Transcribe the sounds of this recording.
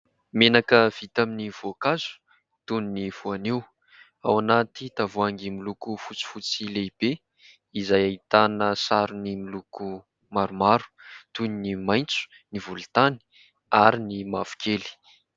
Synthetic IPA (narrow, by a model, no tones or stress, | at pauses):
menakəv̥it̪aminivuakazu̥ | t̪uniniv̥uaniw | awanat̪it̪avuaŋɡimilukufut͡si̥fut͡sileib̥e | izajait̪anəsaɾunimiluku | maɾumaɾu̥t̪uninimajnt͡su̥ | nivult̪ani̥ | aɾinimav̥u̥kʰeli̥